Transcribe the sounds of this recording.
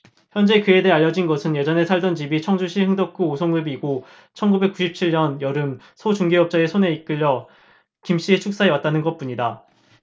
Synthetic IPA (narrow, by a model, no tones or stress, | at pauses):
çjʌnd͡ʑe̞kɯe̞deaʎːʌd͡ʑinɡʌsʰɯnje̞d͡ʑʌne̞sʰaɭdʌnd͡ʑibit͡ɕʰʌŋd͡ʑuɕʰihɯŋdʌk̚k͈uːsʰoŋɡɯbiɡo | t͡ɕʰʌnɡube̞k͈uɕʰip̚t͡ɕʰiɭɲʌnjʌɾɯm | sʰʌt͡ɕuŋɡeʌp̚t͡ɕ͈aesʰone̞ik͈ɯʎːʌ | kimɕ͈iet͡ɕʰuk̚s͈aɦe̞wat̚t͈anɯnɡʌt̚p͈uɲida